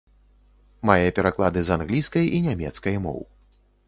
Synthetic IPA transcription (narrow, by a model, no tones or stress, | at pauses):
majɛpʲɛɾaklˠad̪ɨzanɣlʲijskɐjinʲamʲɛt̪skɐjmɔ̰w